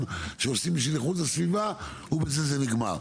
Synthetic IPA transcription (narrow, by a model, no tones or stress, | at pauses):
mʃeosimiʃ̬ileχutlasviva | ubezezeniɡma̰ʁ